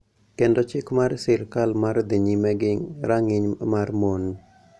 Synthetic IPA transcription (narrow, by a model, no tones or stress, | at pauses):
kendɔt͡ʃɪkmarsɪɾkalmard̪iɲimɛɡɪŋɾaŋɪɲmarmon